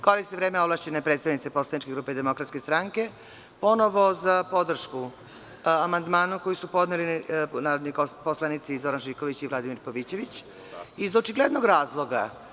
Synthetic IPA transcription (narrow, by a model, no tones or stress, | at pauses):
koɾisniʋɾeːmeoblˠaʃt͡ɕenepɾet̪st̪aʋnit̪sepo̞slanit͡ʃkeɡɾuːped̪emo̞kɾat̪skest̪ɾaŋke̞ | po̞noʋo̞zapo̞d̪r̩ʃku | amand̪maːnukojisupo̞d̪nelinaːɾod̪niposlˠanit̪sizo̞ɾanʒiːkoʋit͡ɕivlˠad̪imiɾpoʋit͡ɕe̞ʋit͡ɕ | izot͡ʃiɡled̪no̞ɡɾaːzlˠo̞ɡa